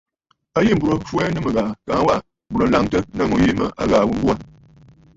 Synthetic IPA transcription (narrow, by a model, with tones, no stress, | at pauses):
ə˦ji˦m̩˨bu˨ɾo˨˦fu˦ɛ˦nɨ˦mɨ˨ɣaː˨ka˨˦wa˦˨ | m˨bu˨ɾo˨n̩˦la˦ŋtə˦nə˦mu˦ji˦mə̰˦ʔa̰˦ɣaː˨wu˦ŋ˦ɡu˦a˦˨n